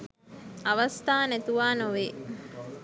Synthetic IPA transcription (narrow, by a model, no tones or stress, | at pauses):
ɐʋɐst̪aːnet̪uʋaːnoʋeː